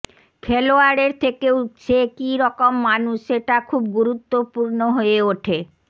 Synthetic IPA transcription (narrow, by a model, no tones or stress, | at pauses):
kʰeloaɾeɾt̪ʰekeutt͡ɕʰekiɾɔkomːanuʃeʈakʰubɡuɾut̪ːopuɾnoɦoeoʈʰe